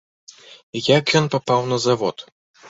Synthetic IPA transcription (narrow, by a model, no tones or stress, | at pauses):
jakjɔnpapawnɐzavɔt̪